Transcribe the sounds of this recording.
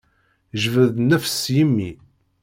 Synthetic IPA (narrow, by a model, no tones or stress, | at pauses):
ʒvəðnæfə̥sjəmːi